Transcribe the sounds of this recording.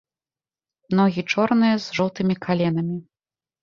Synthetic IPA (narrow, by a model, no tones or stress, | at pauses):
mnɔɣʲit͡ʂɔrnɨjɐzʐɔwt̪ɨmʲikʰalʲɛnɐmʲi